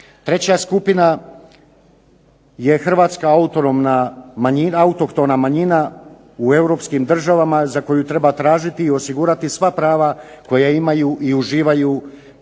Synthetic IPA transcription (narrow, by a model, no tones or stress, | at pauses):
t̪ɾe̞t͡ɕaskupina | je̞xr̩ʋaːt̪skaaut̪onomnamaɲinaut̪o̞kt̪o̞namaɲina | ue̞wɾo̞pskimd̪r̩ʒaʋamazako̞jut̪ɾe̞bat̪ɾaːʒit̪iːo̞siɡuːɾat̪isʋapɾaːʋako̞jaimajuʔiuʒiːʋaju